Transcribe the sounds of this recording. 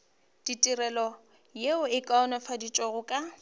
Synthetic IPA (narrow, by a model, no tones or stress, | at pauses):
d̥itʼirɛlɔ | jeʊɪkʼaɔnɔfadit͡ʃʼɔɣʊkʼa